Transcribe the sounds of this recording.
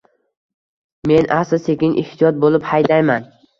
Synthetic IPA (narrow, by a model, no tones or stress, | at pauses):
me̞nʔasɪsʰekʲɪŋʔɪ̰ht̪ʰijɒt̪̚bolˠɪphajd̪ajman